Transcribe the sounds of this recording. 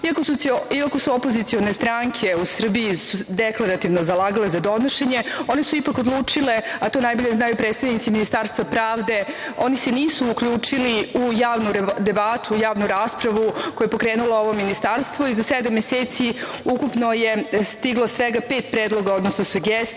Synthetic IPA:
iakosuseiako̞suopo̞zit̪sio̞nest̪ɾaŋkʰe̞usr̩bijisud̪eklˠaɾat̪iʋnozalˠaːɡalezad̪o̞noʃeɲeo̞nesuipako̞d̪lˠuːt͡ʂileat̪o̞najbo̞ʎeznaːjupɾet̪st̪aʋnit̪siminist̪aːɾst̪ʋapɾaːʋd̪e̞ | o̞niseniːsuːkʎuːt͡ʂiliujaːʋnud̪ebat̪ujaːʋnuɾaːspɾaʋuko̞jepo̞kɾeːnulˠooʋo̞minist̪aɾst̪ʋo̞izased̪amːjeseːt̪si | ukupno̞jest̪iɡlˠosʋeɡapeːt̪pɾeːd̪lˠo̞ɡao̞d̪nosnosuɡes

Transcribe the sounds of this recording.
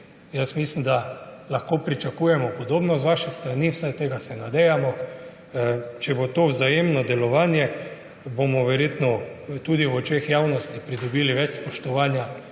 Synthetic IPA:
jasmislimd̪alaxkoːpɾit͡ʃakujɛmɔpɔd̪oːbnɔzʋaʃɛst̪ɾaniwsajt̪eːɡasɛnad̪ɛjamɔ | t͡ʃɛbot̪oːwzajemnɔd̪ɛlɔʋaːnjɛ | bomɔʋɛɾjet̪nɔt̪ud̪iwɔt͡ʃexjawnɔst̪ipɾid̪ɔbiːliʋɛt͡ʃspɔʃt̪ɔʋaːnja

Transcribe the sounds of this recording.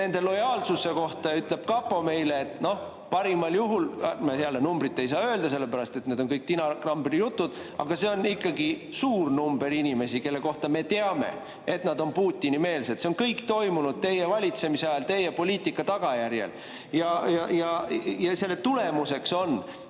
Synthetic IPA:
ne̞nd̪e̞lo̞jɑːlsuse̞ko̞ht̪ɑyt̪le̞b̥kɑpːˑo̞me̞jleːt̪no̞h | pɑɾimɑljuɦulmɑseɑlːenumbɾit̪ːe̞js̬ɑːø̞eld̪̥ɑse̞lːe̞pæɾɑst̪e̞t̪ned̪o̞nkɤjk̚t̪inɑɡ̥rɑmbeɾijut̪ːud̪̥ | ɑ̰ɡ̥ɑse̞o̞nikːɑɡisuːrnumbe̞ɾinʲime̞sike̞lːe̞ko̞ht̪ɑme̞t̪eɑme̞̰ | e̞t̪nɑd̪o̞npuːt̪ʲːˑinime̞ːlse̞d̪̥se̞onkɤjkt̪o̞jmunud̪̥̚t̪e̞jevɑlʲit̪se̞miseɑjɑlt̪e̞jepo̞liːt̪ːˑikːɑt̪ɑɡ̥ɑjæɾje̞̰l | jɑjɑjɑjɑse̞lːet̪ule̞muse̞kso̞n

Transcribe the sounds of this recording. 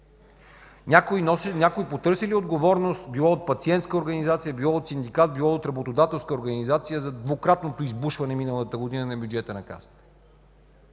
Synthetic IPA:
nʲakinɔnʲakoipot̪ɤɾsɛliod̪ɡovɔɾnost̪bilˠɔot̪̚pɐt̪siɛnt̪skəoɾɡɐnizat̪sijəbilˠɔot̪sind̪ikat̪̚bilˠɔot̪ɾɐbot̪od̪at̪ɛlˠskəoɾɡɐnizat̪sijəzɐd̪vokɾat̪not̪oizbuʃvɐnɛminəlˠət̪əɡod̪inənɐbʲjud͡ʒɛt̪ənɐka̰sə̥t̪ə̥

